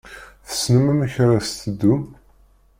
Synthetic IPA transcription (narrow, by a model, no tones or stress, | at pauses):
θə̥snəmæməçɾˤast̪əd̪ːum